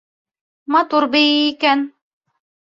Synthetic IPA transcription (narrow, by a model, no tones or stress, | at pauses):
mɑt̪uɾbɘiiːkæn